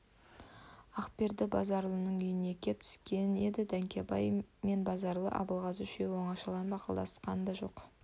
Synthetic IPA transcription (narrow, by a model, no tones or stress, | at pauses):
ɑqpe̞ɾd̪ɪbɑ̰zɑɾlˠənəɴʏjɪne̞kʲʰe̞p̚t̪ʰʏ̥skʲe̞ne̞d̪ɪd̪æŋkʲʰebɑjme̞nbɑzɑɾlˠə̰ʔɑ̰bəlˠʁɑsʏʃe̞wo̞ɴɑʃɑlˠɑnbɑqɑ̰lˠɑ̰sqɑnd̪ɑʒo̞̰q